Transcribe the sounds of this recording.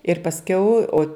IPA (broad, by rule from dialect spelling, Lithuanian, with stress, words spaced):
ɪr pɐsʲˈkʲɛʊ oː